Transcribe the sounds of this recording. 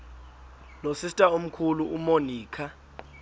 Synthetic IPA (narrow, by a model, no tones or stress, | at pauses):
losistʼaum̩kʰuluumoniːkʰa